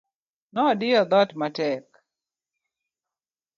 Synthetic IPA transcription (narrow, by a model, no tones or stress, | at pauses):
nɔdɪad̪ɔtmatɛk